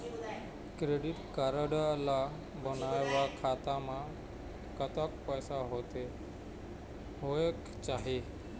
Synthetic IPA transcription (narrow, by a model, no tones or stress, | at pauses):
kɾeɽiʈkaɾəɽala | bənajʋakʰat̪ama | kət̪ak̚pəjsaɦot̪e | ɦojek | t͡ɕaɦi